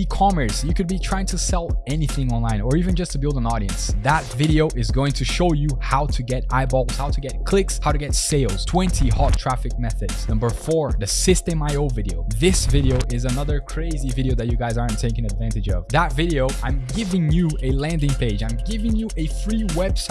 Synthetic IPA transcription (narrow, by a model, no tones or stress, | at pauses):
ikʰɑmə˞sjɨkɨd̚bitʰɹ̥aɪɪ̃ŋtʰɨsɛlˠɛniθɪ̃ŋɔ̃nlãɪ̃nə˞ivɨ̃nd͡ʒʌstʰɨbɪlˠdə̃nɔɾiɨ̰̃nsðətvɪɾioʊʔɨzɡoʊɪ̃ŋtʰɨʃoʊjɨhaʊɾɨɡɛɾaɪbɔlz̥haʊɾɨɡɛt̚kʰl̥ɪkshaʊɾɨɡɛtseɪlˠz̥tʰw̥ɛ̃ntʰihɑtʰɹ̥æfɨk̚mɛθɨdz̥nʌ̃mbə˞fɔɹðɨsɪstɨ̃maɪoʊvɪɾioʊðɪsvɪɾioʊʔɪzɨnʌðə˞kʰɹ̥eɪzivɪɾioʊðɨt͡ʃɨɡaɪzɑɹ̃ntʰeɪkɪ̃ŋɨdvæ̃ntɨd͡ʒʌ̰vðətvɪɾioʊãɪ̃mɡɪvɪ̃ŋjɨɨlæ̃ndɪ̃ŋpʰeɪd͡ʒãɪ̃mɡɪvɪ̃ŋjɨʔɨfɹiwɛb̥sa